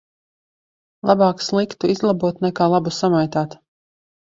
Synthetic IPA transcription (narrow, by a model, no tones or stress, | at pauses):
lˠabaːkslˠikt̪uizlˠabuɔt̪nɛkaːlˠabusamajt̪aːt̪